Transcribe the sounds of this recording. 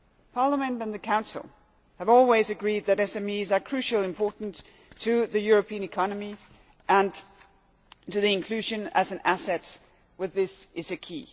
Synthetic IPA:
pʰɑɹləmɨ̃ntɨ̃nðɨkʰãʊ̃nsl̩ˠ | hɨvɔlˠwizɨɡɹid̪̚ðɨɾɛsɛ̃mizə˞kʰɹ̥ʉʃl̩ˠɨ̃mpʰɔɹʔn̩tʰ | ɨðɨjʊɹɨpʰĩɨ̃nɨkʰɑnəmi | ʔə̃n | tʰɨðiɨ̃nkʰl̥ʉʒɨ̃nɨ̰zɨ̃n̩æsɛts | wɨðɪsɨzɨkʰḭ

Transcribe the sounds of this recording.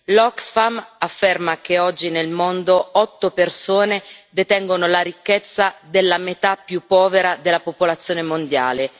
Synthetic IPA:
lɔksfamafːermakeɔd͡ʒːinelmond̪oɔt̪ːopersoːned̪et̪ɛŋɡonolaɾikːet̪sːad̪elːamet̪apːjupːɔːveɾad̪elːapopolat̪sːjoːnemond̪ja̰ːle

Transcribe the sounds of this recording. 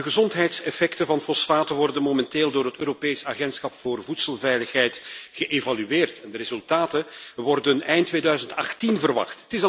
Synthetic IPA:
dəɣəzɔntɦɛjtsɛfɛktəvɑnfɔsfaːtəʋɔrdənmomɛnteːlˠdoːrɦətøːɾopeːjsaːɣɛntsxɑpfoːrvutsəlˠvɛjləxɦɛjtɣəʔevalyeːrtɛndəɾezɵlˠtaːtəʋɔrdənɛjntʋeːdœɥzəntɑxtinvərʋɑ̰xttɪs

